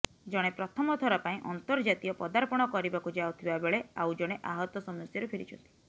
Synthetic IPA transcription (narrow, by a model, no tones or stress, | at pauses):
d͡ʒɔɽ̃epɾɔt̪ʰɔmɔt̪ʰɔɾapaĩʔɔnt̪ɔɾd͡ʒat̪ijɔpɔd̪aɾpɔɽ̃ɔkɔɾibakud͡ʒawt̪ʰibabeɭeawd͡ʒɔɽ̃eʔaɦɔt̪ɔsɔmɔsjɔɾepʰeɾḭt͡ʃʰɔnt̪i̥